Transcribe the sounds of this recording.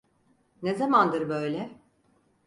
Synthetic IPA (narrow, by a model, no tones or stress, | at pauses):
nezamand̪ɯɾbø̞jlʲɛ